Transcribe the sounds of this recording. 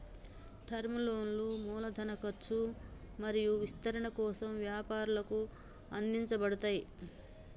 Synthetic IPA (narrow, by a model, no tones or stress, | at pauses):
ʈʰɐɾmiloːnlumuːlɐd̪ʱɐnɐkɐɾt͡ʃːu | mɐɾijuʋist̪ɐɾɐɳɐkɔːsɐmʋjaːpaːɾulɐku | ɐnd̪iɲt͡ʃɐbɐɽɐt̪aːji